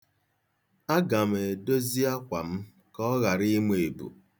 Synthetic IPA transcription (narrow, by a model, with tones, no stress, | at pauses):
a˦ɡa˨m˨e˨do˦zi˦a˦kʷa˨m̩˦ | kɔ˦ɣa˨ɾi˦me˨e˨bṵ˨